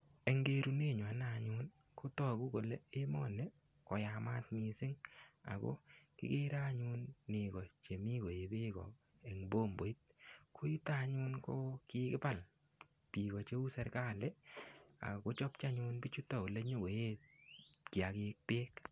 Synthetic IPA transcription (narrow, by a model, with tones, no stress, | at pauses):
e˨ŋɡe˦ɾu˨ne˦˨ɲwa˨naɲu˦n | ko˦tɔ˦˨ku˦ko˨le˦e˦mɔ˦nɛ˨ | kɔ˨ja˨ma˦tmi˨sɪ˦ŋa̰˨ko̰˦kɪ̰˦ke˦ɾa˦ɲu˦nːe˨kɔ˨t͡ʃe˨mi˦ko˨e˨be˦kɔ̰˨ | e˨ŋbo˦mbo˨i˦t̚kʰo˦ju˦ta˦ɲu˦nko˦kɪkɪ˦pa˨l | pi˨kɔ˨t͡ʃe˦u˦sɛ˦ɾka˦˨lɛ˦a̰˨ko˦t͡ʃɔ˦p̚t͡ʃa˦ɲu˦nbi˦t͡ʃu˦tɔ˨ko˨le˦ɲo˦ɡo˨e˦ | ki˨a˨kɪk̚pe˦k